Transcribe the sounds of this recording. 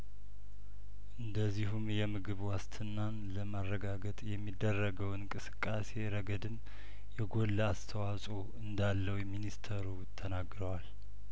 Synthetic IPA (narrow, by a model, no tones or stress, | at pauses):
ʔɨnd̪əzːiɦumjɛmɨɡɨβwast̪ʰɨnːanləmarːəɡaɡət̪ʼjɛmːid̪ːərːəɡəwɨnkʼɨsɨ̥kʼːase̞ɾəɡəd̪ɨm | jɛɡo̞lːast̪ʰəwasʼo | ɨnd̪alːəwminist̪ʰəɾu | t̪ʰənaɡɾəwal